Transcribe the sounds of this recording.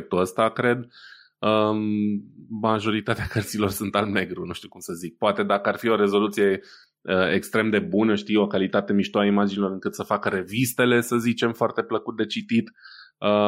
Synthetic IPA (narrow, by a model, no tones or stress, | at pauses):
k̚t̪uəst̪akɾe̞d̪ | ə | maʒo̞ɾit̪at̪eakərt̪silo̞rsunt̪almne̞ɡɾunuʃt̪iukumsəzik̚poat̪e̞d̪akəarfio̞ɾe̞zo̞lut̪sije̞ | əekst̪ɾe̞md̪e̞bunəʃt̪ijo̞kalit̪at̪e̞miʃt̪oaimad͡ʒinilo̞ɾɨŋkɨt̪səfakəɾe̞vist̪e̞le̞səzit͡ʃe̞mfoart̪e̞pləkut̪̚d̪e̞t͡ʃit̪it̪ə